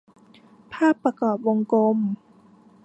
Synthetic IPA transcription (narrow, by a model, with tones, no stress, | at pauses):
pʰaː˥˩pːɾa˧kɔː˨˩p̚wo˧ŋko˧m